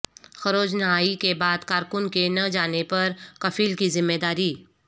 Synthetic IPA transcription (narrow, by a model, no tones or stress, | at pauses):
xɐɾoːd͡ʒnɐɦaːikebaːd̪kaːɾkʊnkenɐd͡ʒaːnepɐɾkɐfiːlkizɪmːeːd̪aːɾiː